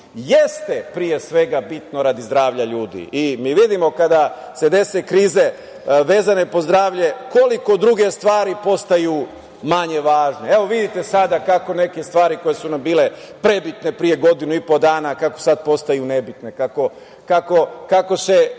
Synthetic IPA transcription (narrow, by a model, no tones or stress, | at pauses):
jest̪e̞pɾije̞sʋe̞ɡabit̪no̞ɾad̪izd̪ɾaːʋʎaʎuːd̪ḭimiːʋid̪imo̞kad̪a | se̞d̪e̞se̞kɾiːze̞ | ʋe̞ːzane̞po̞zd̪ɾaːʋʎe̞ko̞liko̞d̪ɾuɡe̞st̪ʋaːɾipo̞st̪aju | maɲe̞ʋaːʒnee̞ʋo̞ʋid̪it̪e̞sad̪akako̞ne̞ke̞st̪ʋaːɾiko̞jesunambiːle̞ | pɾe̞bit̪ne̞pɾije̞ɡo̞d̪inuipo̞d̪aːnakako̞̥sad̪̚po̞st̪ajune̞bit̪ne̞kako̞ | kako̞kako̞se̞